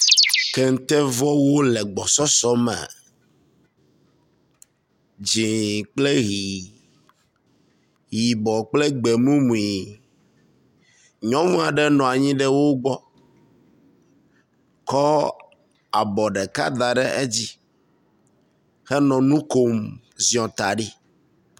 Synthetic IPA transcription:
kɛ˦ŋ̩˨t̪ɛ˦vɔ˦wo˦lɛ˨ɡ͡bɔ˨sɔ˦sɔ˦mɛ̰̃˨ | d͡ʒĩ˨k͡ple˦ɣi˨ | ɣi˨bɔ˨k͡plɛ˦ɡ͡be˨mũ˦mũ˨i˨ | ɲɔ̃˦mũ˦a˨ɖɛ˦nɔ̃˨a˨ɲĩ˦ɖɛ˦wo˦ɡ͡bɔ˦ | kɔ˦ | a˨bɔ˨ɖɛ˨ka̰˦d̪a˨ɖɛ˦ʔe˦d͡ʑi˦ | xɛ˦nɔ̃˨nũ˦ko˦m | zĩ˨˦ɔ̃˨t̪a˨ɖi˦

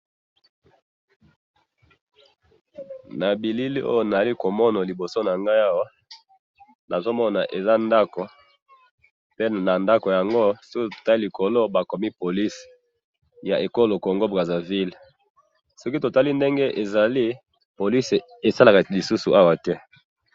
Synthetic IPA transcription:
na˨bi˨li˦li˦o̰˦jo˦˨na˨za˨li˦ko˨mɔ˦na˨li˨bo˨so˦na˨ŋɡa˦ja˦wa˦ | nʔa˨zo˦mɔ˦na˨ʔe˨za˦nda˦ko˨ | pe˦na˨nda˦ko˨ja˨ŋɡo˦sɔ˦ki˦to̥˨ta˦i˦li˨kʰo˨lo˦ba˨ko˨mi˦po˨li˦s | ja̰˨ʔe˨ko˦lo˨ko˨ŋɡo˦bʁa˨za˨vi˦l | sɔ˦ki˦to˨ta˦li˦nde˦ŋɡe˦ʔe˨za˨li˦ | po˨li˦s | e˨sa˦la˨ka˨li˨su˦su˨ʔa˦wa˦tɛ˦

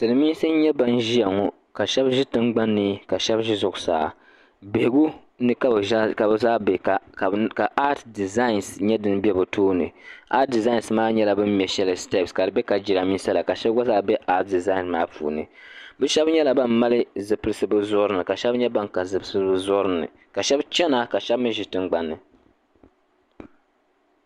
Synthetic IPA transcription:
tɨ˨nɨ˨miː˦sɨ˦ɲɛ˦ba˦n˦ʒi˦ja˨ŋɔ˦ | ka˨ʃɛ˦bʒi˦tɨ˦ŋ͡mɡ͡ba˦nːɨ˦ka˨ʃɛ˦bʒi˦zʊ˨ɡʊ˨sa̰ː˨ | be˨hɪ˨ɡu˦ | nɨ˦ka˦bka˨bɨ˦zaː˦bɛ˨ka˨ka˨ʔa˦tdi˨za˦i˨nsɲɛ˦dɨ˦n˦bɛ˦bɨ˨tʰoː˦nɨ̰˨ʔa˦t̚di˨za˦i˨nsmaː˦ɲɛ˦la˨bɨ˦m̩˦mjɛ˨ʃɛ˦lɨ˨stɛ˦˨pska˨dɨ˨bɛ˦ka˨d͡ʒi˨ɾa˨mi˦n˦sa˦la˨ka˨ʃɛ˦bɡa˦zaː˦bɛ˦ʔa˦t̚di˨za˦i˨nmaː˦pṵː˨nɨ̰˨bɨ˦ʃɛ˦bɲɛ˦la˨ba˦mːa˦lɨ˦zɨ˨pɨ˦ɨ˦sɨ˦bɨ˦zʊ˦ɾɨ˦nɨ˨ka˨ʃɛ˦bɲɛ˦ba˦ŋka˨zɨ˨bsɨ˦bɨ˦zʊ˦ɾɨ˦nɨ̰˨ | ka˨ʃɛ˦bt͡ʃɛ˦na˦ka˨ʃɛ˦bmɨ˦ʒɪ˨tɨ˦ŋɡ͡ba˨nːɨ˨

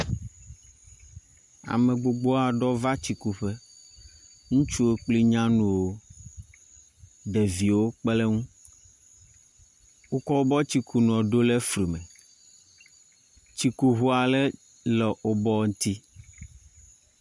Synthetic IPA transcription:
a̰˨mẽ˨ɡ͡bo˨ɡ͡bo˦a˨ɖɔ˦va˦t͡ɕi˨ku˨ɸe˦ | ŋũ˦t͡ʃu˦e˦k͡pli˦ɲã˦nũ˦wo˦ | ɖɛ˨vi˨wo˦k͡ple˦ŋũ˦ | wu˦kɔ˦wo˦bɔ˦t͡ɕi˨kʰu˨nũ˨ɔ˨ɖo˦le˦fɾi˨mɛ̃˨ | t͡ɕi˨ku˨ɦu˦a˨lɛ˦ | lɛ˨ʔo˨bɔ˦ŋ̩˦t̪i˦

